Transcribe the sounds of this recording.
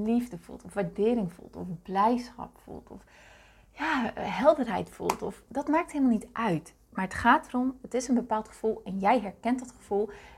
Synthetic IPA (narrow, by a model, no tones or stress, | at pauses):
livdəvṵlˠtɔfʋaɹdɪːɾɪŋfṵlˠtʰɔfblɛjsχɑ̰pfṵlˠtʰɔf | jaːɦɛlˠdərɦɛ̰jtfṵlˠtɔfdɑtmaːk̚thɪlˠmalˠnitʔœɥt | maːɹətχaːtərɔmətɪsənbəpaːlˠtχə̥v̥ulˠɛnjɛjɦɛɹkɛntdɑtχəv̥ulˠ